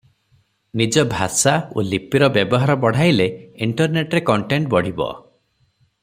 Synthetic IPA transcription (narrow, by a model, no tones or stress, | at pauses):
nid͡ʒɔbʱasao̰lipiɾɔbjebɔɦaɾɔbɔɽ̤ajleiɳʈɔɾneʈɾekɔɳʈeɳʈbɔɽ̤ibɔ̰